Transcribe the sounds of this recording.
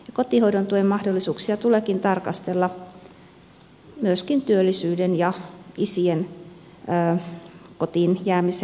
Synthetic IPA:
jɑkot̪ihoidont̪uoemɑhdolːisuːksiɑt̪uleːkint̪ɑrkɑst̪elːɑ | myøskint̪yølːisyːdenjɑisienː | kot̪injæːmise

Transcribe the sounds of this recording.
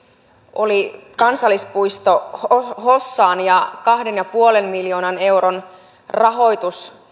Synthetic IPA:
o̞likɑnsɑlːˑispujst̪ohɦosːɑːnjɑkɑhde̞njɑpuolenmiljo̞ːnɑne̞wɾon | rɑɦo̞jt̪us

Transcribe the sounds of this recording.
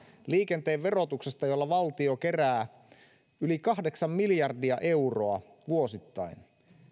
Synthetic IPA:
liːke̞nt̪eːʋʋe̞ɾo̞t̪ukse̞st̪ɑjolːɑʋɑlt̪io̞ke̞ræː | ylikɑɦde̞ksɑmmiljɑrdiɑʔe̞uroɑ | ʋuo̞sit̪ːɑin

